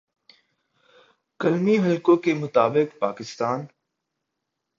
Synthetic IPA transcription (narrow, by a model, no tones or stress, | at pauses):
kəlmiːɦəlkõkemʊt̪aːbɪkpaːkɪst̪aːn